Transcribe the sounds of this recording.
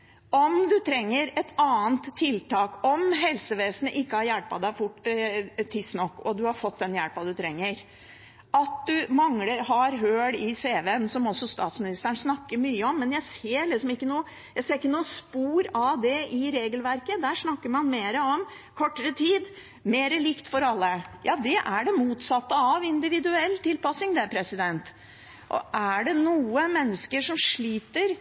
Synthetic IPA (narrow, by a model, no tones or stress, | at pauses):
ɔmd̪ʉt̪ʰɾɛŋːəɾɛt̪ɑːənt̪ʰːɪlt̪ʰɑːkɔmɦɛlsəʋeːsənəʔɪkːəhɑɾjæɭpɑd̪æɪfʊʈːt̪ʰɪsnɔkːɔd̪ʉhɑɾfɔt̪̚ːd̪ɛnjæɽpɑd̪ʉt̪ʰɾɛŋːəɾ | ʔɑt̪̚d̪ʉmɑŋləɾhɑɾɦøːɽɪseːʋeɛnsɔmɔsɔst̪ɑːt̪smɪnɪst̪əəɳʂnɑkːəɾmyːəɔmːɛnjæɪseːɾɭɪsɔmɪkːənuːə | jæɪseːɾɪkːənuːəspuːɾɑd̪ɛʔɪɾeːɡəlʋæɾkəd̪æːʂnɑkːəɾmɑnmeːɾəɔm | kʰɔʈːəɾət̪ʰiːd̪ | meːɾəlɪkt̪fɔɾɑlːəjɑːd̪ɛʔæɖɛmuːt̪sɑt̪ːəɑʋɪnd̪ɪʋɪd̪ʉɛlːt̪ʰɪlpɑsɪŋd̪ɛæpʰɾɛsɪd̪ɛnt̪ | ʔɔ̰ʔæɖɛnuːəmɛnːəskəʂɔmʂɭiːt̪əɾ